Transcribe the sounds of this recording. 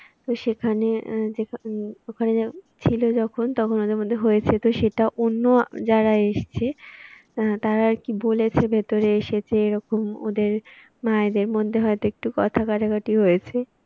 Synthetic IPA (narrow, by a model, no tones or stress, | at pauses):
t̪oʃekʰaneekʰokʰaneat͡ɕʰilod͡ʑɔkʰont̪ɔkʰonod̪eɾmod̪ʱːeɦojet͡ɕʰet̪oʃeʈaʔonːod͡ʑaɾaeʃt͡ɕʰe | t̪aɾaɾkibolet͡ɕʰebʱet̪oɾeeʃet͡ɕʰeeɾɔkomo̰d̪eɾ | maed̪eɾmod̪ʱːeɦɔet̪oek̚ʈukɔt̪ʰakaʈaɡaʈiɦojet͡ɕʰe